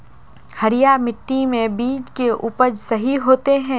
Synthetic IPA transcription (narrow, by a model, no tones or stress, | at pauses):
hɐɾijamɪʈːimẽbiːd͡ʒkeʔupəd͡ʒsɐɦiɦoːt̪eɦɛ̃ː